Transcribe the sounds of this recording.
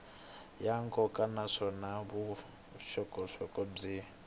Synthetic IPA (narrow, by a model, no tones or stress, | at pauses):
jaŋkʼɔkʼanaʂɔnaβu | ʃɔkʼɔʂɔkʼɔb͡ʐi